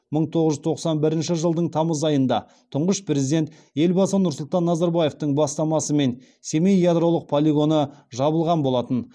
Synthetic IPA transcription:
məɴt̪ʰo̞ʁəʒʏzt̪ʰo̞qsɑnbɪɾɪnʃɪʒəlˠd̪əɴt̪ʰɑməzɑjənd̪ɑ̰ | t̪ʰʊɴʁəʃpɾe̞zid̪e̞nt̪ | je̞lbɑsənʊɾsʊlˠt̪ɑnːɑzɑɾbɑje̞ft̪əɴbɑst̪ɑmɑsəme̞n | se̞mejjad̪ɾo̞lˠəq̚pʰolʲiɡo̞nəʒɑβəlˠʁɑnbo̞lˠɑt̪ən

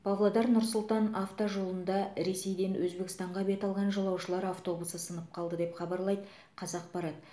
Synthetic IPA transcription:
b̥ɑvlˠɑd̪ɑɾnʊɾsʊlˠt̪ɑnaft̪oʒo̞lˠənd̪ɑɾe̞se̞jd̪e̞nwʔɵzbe̞kʲɪ̥st̪ɑɴʁɑbe̞t̪ɑlˠʁɑnʒɑlˠɑwʃəlˠɑɾɑft̪o̞busəsənəp̚qʰɑlˠd̪əd̪e̞pχɑbɑɾlˠɑjd̪ə | qʰɑzɑq̚pɑɾɑt̪̚

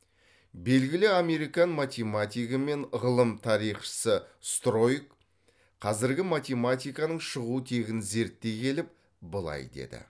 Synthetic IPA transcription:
be̞lɡʲɪlɪame̞ɾijkɑnmat̪ʲemat̪ʲijkəme̞nʁəlˠəmt̪ʰɑɾijχʃə̥səst̪ro̞jk | qʰɑzɪɾɡʲɪmat̪ʲe̞mat̪ʲijkɑnəɴʃəʁuət̪ʰe̞ɡʲɪnze̞ɾt̪ːe̞kʲʰe̞lɪp̚ | bəlˠɑ̰jd̪ḛd̪ɪ̰

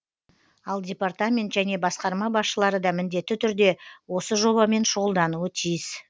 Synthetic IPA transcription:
ɑlˠdʲe̞part̪amʲe̞nt̪ʒæne̞bɑsqɑɾmɑbɑsʃəlˠɑɾəd̪ɑmɪnd̪e̞t̪ːɪt̪ʰʏɾd̪e̞wo̞səʒo̞βɑme̞nʃʊʁəlˠd̪ɑnuət̪ʰijɪs

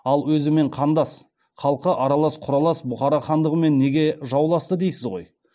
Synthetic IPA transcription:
ɑlˠwɵzɪme̞ɴqʰɑnd̪ɑs | χɑlˠqəʔɑɾɑlˠɑsqʰʊɾɑlˠɑsbʊχɑɾɑχɑnd̪əʁəme̞nːe̞ɡʲe̞ʒɑwlˠɑst̪əd̪e̞jsɪzʁo̞̰j

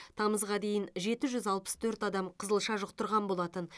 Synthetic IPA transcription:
t̪ʰɑməzʁɑd̪e̞jɪnʒe̞t̪ɪʒʏzɑlˠpə̥st̪ʰɵɾt̪ɑd̪ɑmqʰəzəlˠʃɑʒʊq̚t̪ʰʊɾʁɑnbo̞lˠɑt̪ən

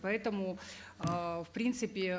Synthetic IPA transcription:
pɐɛt̪əmʊ | fpɾʲint̪sɨpʲɪ

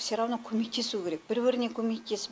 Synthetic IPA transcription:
seɾɑwnəkʲʰɵmek̚t̪ʰesue̞ɾe̞k̚b̥ɪɾbɪɾɪnekʲʰɵmek̚t̪esɪ

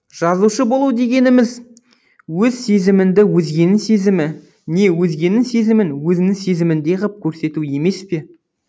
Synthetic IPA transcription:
ʒ̥ɑzuʃəbo̞lˠud̪e̞ɡʲe̞nɪmɪz | wɵzse̞zɪmɪnd̪ɪwɵzɡʲe̞nɪse̞zɪmɪ | ne̞wɵzɡʲe̞nɪŋse̞zɪmɪnwɵzɪnɪŋse̞zɪmɪnd̪e̞ʁəp̚kʲʰɵɾse̞t̪ue̞me̞spe̞

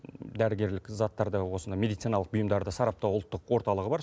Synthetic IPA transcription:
d̪æɾɪɡʲe̞ɾlɪkzat̪ːɑɾd̪əwo̞sənd̪ɑjmʲe̞d̪ijt̪sinɑlˠəqbʊjəmd̪ɑɾd̪əsɑɾɑp̚t̪ɑwʊlˠət̪ːəqwo̞ɾt̪ɑlˠəʁəbɑɾ

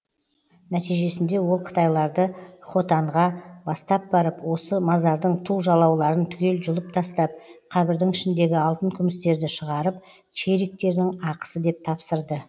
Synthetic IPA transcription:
næt̪ijʒe̞sɪnd̪e̞wo̞lˠqʰə̥t̪ɑjlˠɑɾd̪əχo̞t̪ɑɴʁɑbɑst̪ɑp̚bɑɾəpwo̞səmɑzɑɾd̪əɴt̪ʰuʒɑlˠɑwlˠɑɾənt̪ʰʏkʲe̞lʒʊlˠəp̚t̪ʰɑst̪ɑp̚qʰɑbɪɾd̪ɪŋɪʃɪnd̪e̞ɡʲɪɑlˠt̪əŋkʲʰʏmɪst̪e̞ɾd̪ɪʃəʁɑɾəp̚ | ʃʰe̞ɾek̚t̪e̞ɾd̪ɪŋɑqə̥səd̪e̞p̚t̪ʰɑpsəɾd̪ə

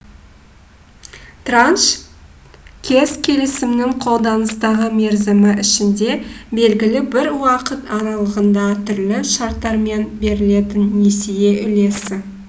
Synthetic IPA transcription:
t̪ranʃ | kʲʰe̞z̥kʲʰe̞lɪsɪmnɪŋqʰo̞lˠd̪ɑnəst̪ɑʁəme̞ɾzɪmɪʔɪʃɪnd̪e̞be̞lɡʲɪlɪbɪɾwɑqət̪ɑɾɑlˠəʁənd̪ɑt̪ʰʏɾlɪʃɑɾt̪ːɑɾme̞nbe̞ɾɪle̞t̪ɪnːesije̞ʔʏle̞sɪ

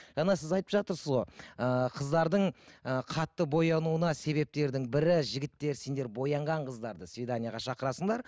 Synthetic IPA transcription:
ʒ̥ɑnɑsɪzɑjt̪ə̥pʒɑt̪əɾsəzʁo̞əqʰəzd̪ɑɾd̪əɴəqʰɑt̪ːəbo̞jɑnuənɑse̞βe̞p̚t̪e̞ɾd̪ɪŋbɪɾɪʒɪɡʲɪt̪ːe̞ɾse̞nd̪e̞ɾbo̞jɑɴʁɑɴqʰəzd̪ɑɾd̪əsvʲed̪anijaʁɑʃɑqəɾɑsəɴd̪ɑɾ

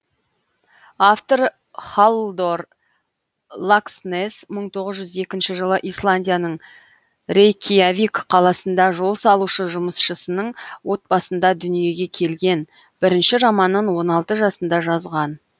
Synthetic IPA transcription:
aft̪oɾ | χalˠd̪o̞r | lˠaksnesməɴt̪ʰo̞ʁəzʒʏze̞kʲɪnʃɪʒəlˠəʔijslˠanʲdʲijanəɴ | ɾejkʲʰijavʲikqʰɑlˠɑsənd̪ɑʒo̞lˠsɑlˠuʃəʒʊməsʃəsənəɴwo̞t̪̚bɑsənd̪ɑd̪ʏnije̞ɡʲe̞kʲʰe̞lɡʲe̞n | b̥ɪɾɪnʃɪʒɑmɑnːəɴwo̞nɑlˠt̪əʒɑsənd̪ɑʒɑzʁɑn

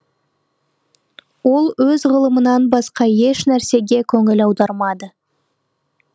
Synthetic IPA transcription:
wo̞lˠwɵzʁəlˠəmənɑnbɑsqɑje̞ʃnæɾse̞ɡʲe̞kʲʰɵŋɪlɑwd̪ɑɾmɑd̪ə

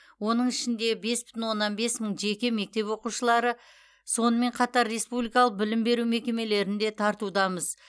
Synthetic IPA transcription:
wo̞n̪əɴɪʃɪnd̪e̞be̞sbɪ̥t̪ɪnwo̞nːɑnbe̞sməɴʒe̞kʲe̞me̞k̚t̪e̞pwo̞quʃəlˠɑɾə | so̞nəme̞ɴqʰɑt̪ɑɾːe̞spublijkɑlˠəq̚bɪlɪmbe̞ɾuwme̞kʲe̞me̞le̞ɾɪnd̪e̞t̪ʰɑɾt̪ud̪ɑməz

